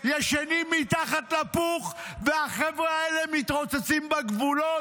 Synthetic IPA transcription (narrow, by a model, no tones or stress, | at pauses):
jeʃenimːit̪aχat̪lapuχveaχevʁeaelemit̪ʁot͡set͡simbeɡvulo